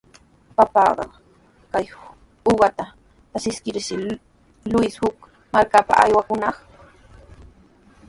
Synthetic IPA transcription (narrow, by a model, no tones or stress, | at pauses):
papɑːɢɑ̰ | kaj | ʊɢɑt̪a | asɪskɪɾʃɪ | lʊjshʊk | maɾkapa̰ʔa̰jwakʊnɑχ